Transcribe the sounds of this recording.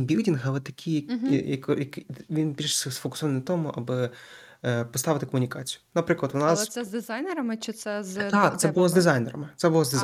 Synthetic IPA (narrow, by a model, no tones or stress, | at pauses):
bʲildʲinɦɐʋɛt̪ɐkʲʰijɐkjɐkɔjɐkʋʲinbʲilʲʃsɛsfɔkʊ̥sɔʋɐnʲt̪ɔmʊʔɐbɪ | pɔst̪ɑʋɪt̪ɪkɔmʊnʲikɑt͡sʲijʊ̥nɐpɾɪklˠɐt̪ʋʊnɑssɛzd̪ɪzajnɛɾɐmɪt͡ʃɪt̪sɛzt̪ɑkt̪sɛbʊlˠɔzd̪ɪzɑjnɛɾɐmɪt̪sɛbʊlˠɔzd̪ɪz